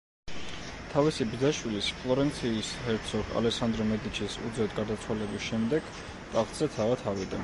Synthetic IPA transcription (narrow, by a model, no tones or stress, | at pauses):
t̪ʰavisib̪zaʃwilispʰlˠɔɾɛnt̪sʰiːshɛɾt̪sʰɔɡʰa̰lɛsand̪ɾɔmɛd̪it͡ʃʰisṵd̪zɛd̪̚ɡaɾd̪at̪sʰwalɛbisʃɛmd̪ɛɡ̥ | t̪ʼaχt̪ʼz̥ɛt̪ʰavat̪ʰavid̪a